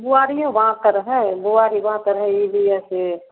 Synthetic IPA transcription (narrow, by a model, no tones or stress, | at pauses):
buaɾijõʋəɦãt̪əɾɦɛ̃buaɾibɐɦãt̪əɾɦɛ̃ibiɛ̃se